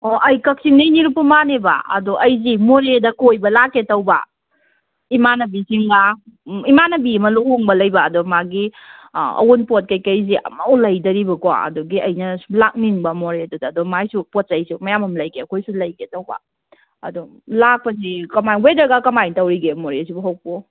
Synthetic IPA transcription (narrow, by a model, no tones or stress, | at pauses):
ɔʔɐjkɐk̚siŋnɐiniɾupːumaneba̰ɐ̰doʔɐjzimoɾedɐkojbɐlaketɐwba̰ | imanɐbisiŋɡaimanɐbiɐmɐlokoŋbɐlɐjbɐːdomaɡi | ɐ̰wunpot̚kɐjkɐjziɐ̰mɐwlɐjdɐɾibɐkɔa̰ɐ̰duɡiɐjnɐblak̚niŋbɐmoɾedudɐːdomajsupot̚sɐjsumɐjamɐmlɐjkʰeɐkʰojsulɐjkʰetɐwbɐ̰ | ɐ̰du | lak̚pɐzikɐmajwedɾɐɡakɐmajŋtɐwɾiɡemoɾesibuɦɐwpu